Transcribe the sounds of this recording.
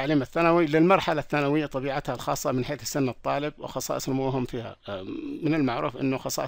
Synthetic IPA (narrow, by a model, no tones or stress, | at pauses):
aʕliːmaθːanawilɪlmɑɾˤħalaθːanawɪjːat̪ˤːɑbiːʕat̪halxɑːsˤːɑmɪnħeːθɪ̥sːɪnːɨt̪ˤːɑːlɪb̚wɪ̰xɑsˤɑ̰ːʔsˤnmuɦʊmfiːha̰mɪnɪlmaʕɾʔṵːfʔɪ̰nːʊxɑsˤɑ̰ːʔ